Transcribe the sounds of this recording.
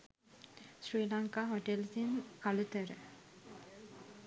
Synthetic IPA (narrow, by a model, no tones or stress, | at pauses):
sɾiːlaŋkaɦɔʈelsinkalut̪əɾ